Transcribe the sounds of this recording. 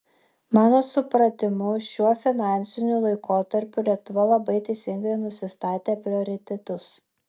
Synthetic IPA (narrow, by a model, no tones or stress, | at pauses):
mɑːnoːsʊpɾɐt̪ʲɪmʊʃʲuɔfʲɪnɑːnʲˑsʲɪnʲuːˑlˠɐɪkʰoːt̪ɐɾʲpʲulʲiɛk̚t̪ʊʋɐlˠɐbɐɪt̪ɐɪsʲɪŋɡɐɪnʊsʲɪst̪ɑːt̪ʲeːpʲɾʲɪoːɾʲɪt̪ʲɛt̪ʊs